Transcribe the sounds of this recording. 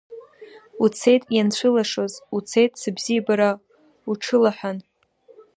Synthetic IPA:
ut͡sʰe̞jtʼjant͡ɕʷʰɨlaʂo̞zut͡sʰe̞jtʼsɨbzijabaɾa | uʈ͡ʂʰɨlaħʷᶣan

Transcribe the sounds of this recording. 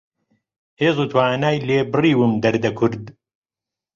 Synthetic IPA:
heːzˤuːt̪ʰwaːnaːjleːbɨriːwɨmd̪ɐɾd̪ɐkʰʊɾd̪

